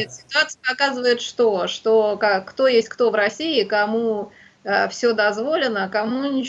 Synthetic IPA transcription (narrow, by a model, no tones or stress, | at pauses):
t̪sʲɪ̥t̪ʊat̪sɨjəpɐkazɨvəjɪt̪ʂt̪oʂt̪okakt̪o̞jesʲtʲkt̪o̞vɾɐsʲiɪkɐmu | əfsʲod̪ɐzvo̞lʲɪnəkɐmunʲɪt͡ɕ